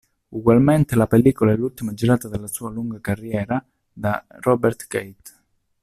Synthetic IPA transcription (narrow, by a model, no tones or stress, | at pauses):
uɡwalment̪elapelːiːkolaɛlːult̪imad͡ʒiɾaːt̪ad̪elːasuːaluŋɡakarːjɛːɾa | d̪arɔbɛrt̪ɡejt̪